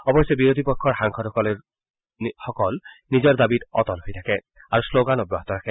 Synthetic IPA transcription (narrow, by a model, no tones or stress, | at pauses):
ɔbɔjsɛbiɹod̪ipɔkʰːɔɹxaŋxʰɔtɔkɔle | xɔkɔlnizɔɹdabitɔtɔnɦojtʰakɛ | aɹusloɡanɔbɹɔɦɔtɔɾʰakɛ